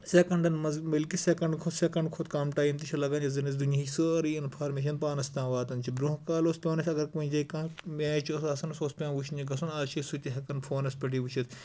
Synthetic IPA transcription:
sekɐɳɖɐnmɐzmɐlkisekɐɳɖkʰot̪sekɐɳɖkʰot̪kaːmʈaːjimt̪iʃʰɐlɐɡɐnd͡ʒɐzɐnɐs̬d̪uniisəɾiːɪnfʰaːɾmeːʃ̬ɐnpaːnɐst̪ãːʋaːt̪ɐnt͡ʃʰibɾũɦkaːloːspʲoːnɐsʲɐɡɐɾkɐ̃nʲd͡ʒɐikãːmʲaːt͡ʃʰosɐsɐnɐsoːspʲãːnʋuʃʰiniɡɐsunaːt͡ʃʰisut̪ʲiɦɐkɐnfʰoːnɐspʲɐʈiːʋut͡ʃʰit̪

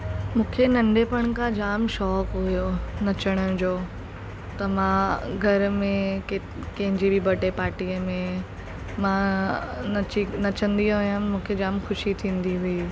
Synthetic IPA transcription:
mũːkʰenɐ̃ɳɖepɐɽ̃kãd͡ʑaːmʃɔːkɦujonɐt͡ɕəɽ̃əd͡ʑoː | t̪ɐmãːɡʱɐɾmẽke | kɐ̃ɦɪ̃ɲd͡ʑibibʱɐʈepaːɾʈijəmẽ | mãːnt͡ɕinɐt͡ɕə̃nd̪iɦɦʊjəmũːkʰed͡ʑaːmxʊʃit̪ʰĩːnd̪iɦui

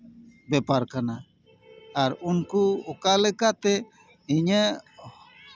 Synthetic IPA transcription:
bɛpaɾkana | aɾunkuɔkalɛkaʔt̪ɛ | iɲə

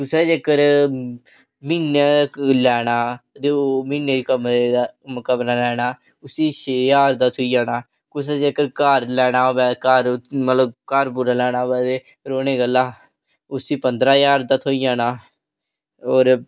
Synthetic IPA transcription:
kʊsɛːd͡ʒeːkəɾ | miːnelɛːɽaːt̪eoːmiːnːeːikəmɾed̪aməkəbnaːlɛːɽaː | ʊsiːʃʰeːjaːɾd̪aːt̪ʰoːijaːnaː | kʊsɛːd͡ʒeːkəɾkəɾlɛːɽ̃aːbɛːkəɾmət̪ləbkəɾbuɾaːlɛːɽ̃aːbɛːt̪eː | ɾoːneːɡəlːaː | ʊsiːpənd̪ɾaːjaːɾd̪aːt̪ʰoijaːnaː | oːɾ

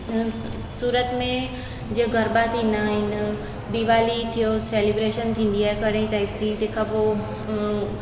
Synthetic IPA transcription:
suːɾət̪mẽ | d͡ʑeɡʱəɾbat̪ʰĩːnd̪aɦɪn | ɖ̪iʋaːlit̪ʰijoseːlibɾeːʃənt̪ʰĩːn̆d̪iaːɦekəɽẽĩt̪aːɪpd͡ʑit̪eːkʰãpo

